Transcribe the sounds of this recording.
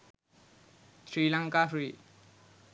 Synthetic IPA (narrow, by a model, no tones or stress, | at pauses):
sɾilaŋkafɾi